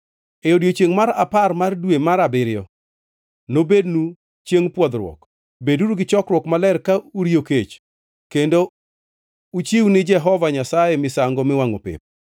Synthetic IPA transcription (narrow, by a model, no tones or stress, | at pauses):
eodjot͡ʃeŋmaɾaparmardwemaɾabɪɾɪjɔ | nobednu | t͡ʃjeŋpwɔd̪ɾwɔ̰k | beduɾuɡɪt͡ʃɔkɾwɔkmalɛrkauɾijoket͡ʃ | kendo | ut͡ʃiwnɪd͡ʒɛɦɔvaɲasajemɪsaŋɡɔmɪwaŋo̰pɪ̰p̚